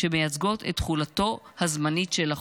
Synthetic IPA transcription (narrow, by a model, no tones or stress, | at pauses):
e̞me̞jat͡sɡo̞tʰḛtχulato̞hazmanitʃela